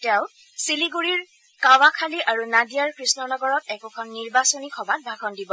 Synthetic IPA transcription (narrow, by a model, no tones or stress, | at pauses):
tɛʊ̃ | siliɡuɹiɹ | kawakʰaliʔaɹunadijaɹkɹisnɔnɔɡɔɹɔtɛkɔkʰɔnːiɹbasɔnikʰɔbat̚bʱaɡʱɔndibɔ